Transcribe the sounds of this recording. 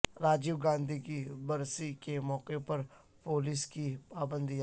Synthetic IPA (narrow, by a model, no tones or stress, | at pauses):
ɾaːd͡ʒiːwɡãːnd̪ʱikibɐɾsikemɔːqepɐɾ | poːliːskipaːbə̃nd̪i